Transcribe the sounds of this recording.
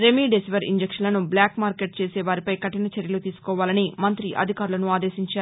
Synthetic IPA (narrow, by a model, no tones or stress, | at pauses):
ɾemiɖesiʋɐɾiɲd͡ʒekʂɐnlɐnubljaːkmaːɾke̞ʈ̚t͡ʃeːsɛːʋaːɾipɐjkɐʈinɐt͡ʃeɾjɐlut̪iːsu̥kɔːʋaːlɐnimɐnt̪ɾiʔɐ̰d̪ʱikaːɾulɐnuaːd̪eːʃiɲt͡ʃaːɾ